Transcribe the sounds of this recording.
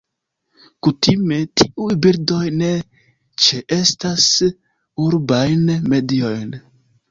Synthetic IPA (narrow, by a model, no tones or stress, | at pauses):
kutime̞tʰiʔujbiɾdo̞jne̞ | t͡ʃeʔe̞stas | uɾbajnme̞dio̞jn